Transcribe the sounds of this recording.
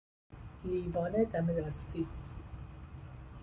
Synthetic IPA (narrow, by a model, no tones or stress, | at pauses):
liːbɒːned̪æmelɑːst̪i